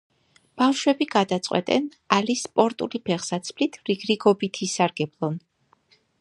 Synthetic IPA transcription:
b̥afʃwɛbiɡad̪at̪sʼqʼwɛ̰t̪ʼɛn | alispʼɔɾt̪ʼṵlipʰɛʁsat̪sʰpʰlit̪ʰɾiɡɾiɡɔbit̪ʰisaɾɡɛblˠɔn

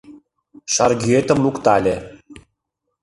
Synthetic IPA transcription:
ʃɑrɡʲyet̪ə̆mlukt̪ɑlʲe

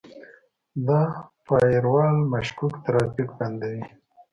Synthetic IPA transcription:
d̪ɑpɑjɾwɑlmaʃkukt̪ɾɑfikband̪awi

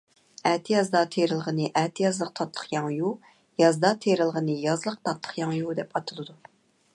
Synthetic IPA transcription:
æt̪ʰɪjɑzd̪ɑt̪ʰeɾɨlˠʁənɨʔæt̪ʰɪjɑzlˠəq̚t̪ʰɑt̪ʰlˠə̥χjɑŋju | jɑzd̪ɑt̪ʰeɾɨlˠʁənɨjɑzlˠəq̚t̪ʰɑt̪ʰlˠə̥χqjɑŋjud̪ɛpɑt̪ʰɨlˠɨd̪u

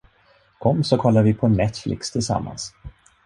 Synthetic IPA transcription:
kʰɔmːsɔkʰɔlːaɾvɪpʰɔnɛt̪flɪ̰kst̪ʰɪlsa̰mːa̰ns

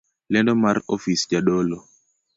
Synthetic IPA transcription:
lɛndɔmaɾofisd͡ʒaɗɔlɔ

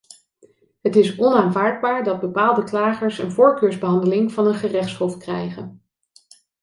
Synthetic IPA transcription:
ɦətɪsɔnaːnvaːɹd̚baːɹdɑd̚bəpaːlˠdəklaːχəɹsə̰nvʊːɹkøːɹzbəɦɑndəlɪŋv̥ɑnənχərɛχtshɔfkrɛjχən

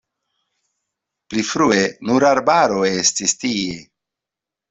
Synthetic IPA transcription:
plifɾuenuɾaɾbaɾo̞e̞stistie

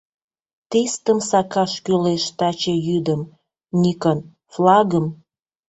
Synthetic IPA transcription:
t̪est̪əmsɑkɑʃkyleʃt̪ɑt͡ɕejyd̪əm | nʲikən | flɑɣəm

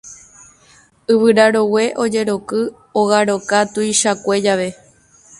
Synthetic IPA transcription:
ɨβɨɾaɾo̞we̞ʔo̞d͡ʒe̞ɾo̞kɨ | oɣaɾo̞kat̪uiʃakʷe̞d͡ʒaʋe̞

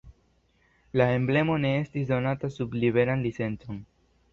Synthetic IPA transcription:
lae̞mble̞mo̞ne̞e̞stisdo̞natasubliβe̞ɾanlit͡se̞nt͡so̞n

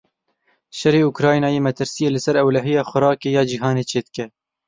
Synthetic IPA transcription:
ʃɛɾeːukɾɑːjnɑːjeːmɛt̪ʰɨɾsijeːlɨsɛɾɛwlɛɦijɑːxʊɾɑːkeːjɑːd͡ʒiːɦɑːneːt͡ʃʰeːd̪ɨkʲɛ

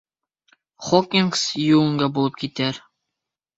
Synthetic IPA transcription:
χokʲːiŋɡsjuɤ̆ŋɡɑbulˠɤp̚kit̪æɾ

